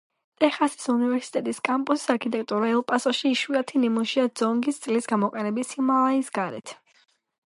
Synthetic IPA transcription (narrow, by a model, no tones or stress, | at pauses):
t̪ʼɛχasi̥sunivɛɾsi̥t̪ʼɛt̪ʼiskʼampʼusi̥saɾkʰit̪ʼɛk̚ʼt̪ʼuɾaɛlˠpʼasɔʃiːʃwiat̪ʰinimuʃiad̪z̥ɔŋɡist̪sʼlisɡamɔqʼɛnɛbisimalˠaisɡaɾɛ̰t̪ʰ